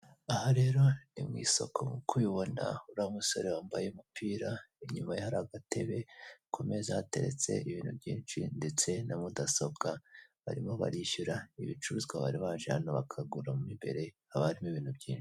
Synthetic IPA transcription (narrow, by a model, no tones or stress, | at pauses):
ahoɾe̞ːɾo̞nimŋiːso̞̰kʰo̞mukʰujiβo̞na̰uɾaumuso̞ɾewaːmbajeumupʰiːɾaiɲumajahaɾaɡate̞βekʰo̞me̞zahate̞̰ɾe̞̰t͡se̞̰iβiːnhubɟiːnʃindet͡se̞namudaso̞bɡaβa̰ɾimo̞βa̰ɾiʃuɾaiβit͡ʃuɾuzɡwaβa̰ɾiβaːʒeha̰noβakʰaɡuɾamumimbe̞̰ɾe̞ | aβaɾimoiβiːn̥hubɟiːnʃi̥